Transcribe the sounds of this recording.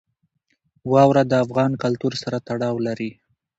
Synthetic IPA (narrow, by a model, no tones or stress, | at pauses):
wɑwɾad̪əafɣɑnkalt̪uɾsaɾat̪aɽɑwlaɾi